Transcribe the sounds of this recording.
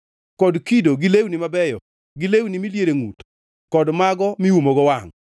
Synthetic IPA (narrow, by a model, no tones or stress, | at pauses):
kɔdkidoɡɪlewnɪmabɛjɔ̰ | ɡilewnɪmiljeɾeŋut | kɔdmaɡɔmiwumoɡɔwaŋ